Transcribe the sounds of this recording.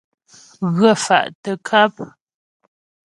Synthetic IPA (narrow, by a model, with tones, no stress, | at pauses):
ɣə˦˨fa̰˨ʔtə˨kʰa˦p̚